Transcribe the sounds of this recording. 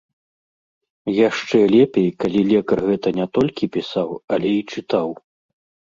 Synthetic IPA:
jaʂt͡ʂɛlʲɛpʲejkalʲilʲɛkɐrɣɛt̪ɐnʲɛt̪ɔlʲkʲipʲisawɐlʲɛit͡ʂɨt̪aw

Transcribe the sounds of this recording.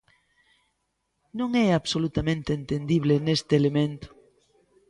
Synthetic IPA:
nõŋɛaβsolut̪amẽnt̪eːnt̪end̪iβ̞lenest̪eːlemẽnt̪ʊ̥

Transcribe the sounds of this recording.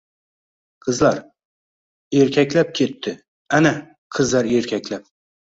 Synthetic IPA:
qʰɨzlaɾ | eɾkʲʰakʲlap̚kʲʰe̞t̪ʰːɪ | ana | qʰɨzlaɾe̞ɾkʲʰakʲlap̚

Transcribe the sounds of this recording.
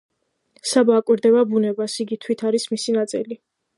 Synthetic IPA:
sabaːkʼwiɾd̪ɛbabunɛbasiɡit̪ʰwit̪ʰaɾismisinat̪sʼḭli

